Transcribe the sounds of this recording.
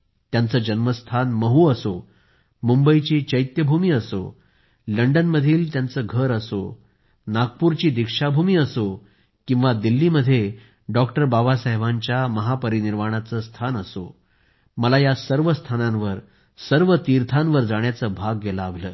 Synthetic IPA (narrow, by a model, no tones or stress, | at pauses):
t̪jant͡səːd͡ʑənməst̪ʰanməɦuːəso | mumbəit͡ɕiːt͡ɕəjt̪jəbʱumiːəso̰ | ləɳɖənməd̪ʱiːlt̪jant͡səːɡʱəɾəso̰ | naɡ̚puɾt͡ɕiːd̪ikʂabʱumiːəso | kĩw̃ʋad̪ilːiːməd̪ʱːje | ɖɔkʈəɾbaʋasəɦeʋaɲt͡ɕjaməɦapəɾiniɾmaɽ̃at͡səst̪ʰanəso̰ | məlajasəɾʋəst̪ʰanãnʋəɾ | səɾʋət̪iɾt̪ʰãnʋəɾd͡zaɽ̃jat͡səːbʱaɡːelaːʋ̤ləː